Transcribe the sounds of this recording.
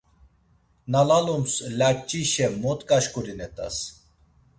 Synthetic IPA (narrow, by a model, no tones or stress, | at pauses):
nalalumslʲat͡ʃʼːiʃɛmɔt̪kʼaʃkʼuɾinɛt̪ʼa̰s